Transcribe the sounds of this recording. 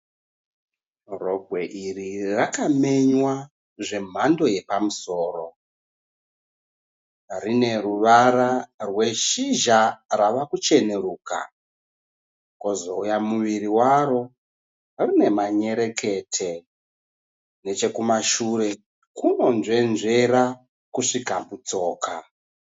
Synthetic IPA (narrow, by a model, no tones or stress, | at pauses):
roɡʱwe̞ʔirirakame̞ɲwa | ʐe̞m̤ando̞je̞pamuso̞ːro̞ | rine̞ruʋaɾarwe̞ʃiʒaraʋakut͡ʃe̞ne̞ɾuːka̰ | ko̞zo̞ujamuʋiɾiwaɾo̞ | rine̞maɲe̞ɾe̞ke̞tʰe | ne̞t͡ʃe̞kumaʃure̞ | kuno̞nʐe̞nʐe̞ra | kuʂikabut͡so̞ːka